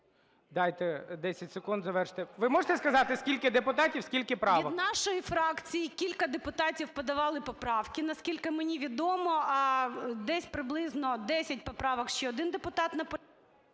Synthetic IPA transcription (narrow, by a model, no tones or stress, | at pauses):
d̪ɑjt̪ɛd̪ɛsʲɐtʲsekund̪zɐʋɛrʃt̪ɛʋɪmɔʐət̪ɛskɐzɑt̪ɪskʲilʲkɪd̪epʊt̪ɑtʲiwskʲilʲkɪpɾɑʋɔnɑʃɔjifɾɑkt͡sʲijikʲilʲkɐd̪epʊt̪ɑtʲiwpɐd̪ɐʋɑlˠɪpɔpɾɑwkɪnɐskʲilʲkɪmenʲiʋʲid̪ɔmɔ | d̪ɛsʲpɾɪblˠɪznɔd̪ɛsʲɐt̚ʲpɔpɾɑʋɐkʃt͡ʃɛɔd̪ɪnd̪epʊt̪ɑt̪nɐp